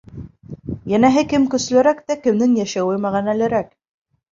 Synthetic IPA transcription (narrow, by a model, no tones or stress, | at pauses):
jænæɦɘkɘmkɵ̆s̆læɾækt̪ækɘ̆mnɘŋjæʃæwɘmæʁænælɘ̆ɾæk